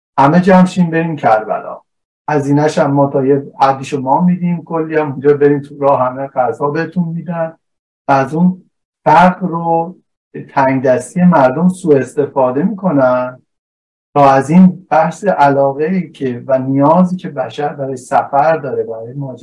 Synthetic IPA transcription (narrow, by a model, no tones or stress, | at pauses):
hæme̞d͡ʒæmʃimbe̞ɾiːmcʰæɾbæ̰lɒ̰ː | hæziːnæʃæmːɒːt̪ʰɒːjehæd̪ːiːʃomɒːmid̪iːmkʰolːiːæmund͡ʒɒːbe̞ɾiːmt̪ʰuɾɒːhæmeɡæzɒːbe̞het̪ʰunmiːd̪æn | væːzun | fæɾɡɾo | t̪ʰæŋɡd̪æst̪ʰijemæɾd̪omsuːe̞st̪e̞fɒːd̪e̞miːkʰo̞næn | t̪ʰɒːæzinb̥æhseʔælɒːɣeiːcʰevænijɒːziːcʰe̞bæʃæɾbæɾeʃsæfæɾd̪ɒːɾebæɾɒːjemɒːd͡ʒ